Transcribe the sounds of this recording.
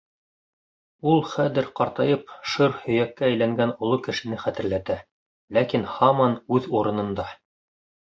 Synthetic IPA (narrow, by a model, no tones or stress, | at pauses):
ulˠχæðɘ̆ɾqɑɾt̪ɑjɤpʃɤɾhɵ̆jækːæːjlæŋɡænŏlˠokɘ̆ʃɘ̆nɘχæt̪ɘ̆ɾlæt̪æ | lækinhɑmɑnʉðuɾɤ̆nɤ̆nd̪ɑ